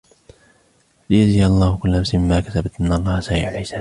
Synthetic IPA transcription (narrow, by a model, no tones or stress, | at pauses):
lɪjaziːaɑlˤːɑːhʊkʊlːʔamsmɪmːaːkasabat̪ʔɪnːɑlˤːɑːhasaːʔiʕalħɪsaː